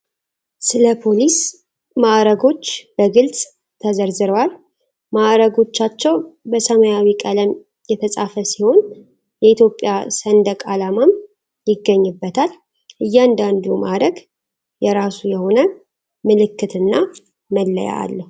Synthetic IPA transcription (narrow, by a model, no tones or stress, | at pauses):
sɨləpʰo̞lis | maʔɾəɡo̞t͡ʃːb̥əɡɨlt͡sʼ | t̪ʰəzəɾzɨɾəwal | maʔɾəɡo̞t͡ʃːat͡ʃːɛwbəsəməjawikʼələm | jɛt̪ʰəsʼafəsiho̞n | jɛit̪jo̞pʼːjasənd̪əkʼalamam | jɪɡːəɲːɨbːət̪ʰal | ʔɨjːand̪and̪umaɾəɡ | jɛɾasujɛho̞nə | mɨlɨkːɨt̪ɨnːa | məlːə̰ja̰a̰lːəhu